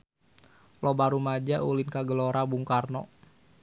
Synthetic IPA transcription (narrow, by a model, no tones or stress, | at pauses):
lɔbaɾumad͡ʒaʔulinkaɡəloɾabuŋkarnɔ̰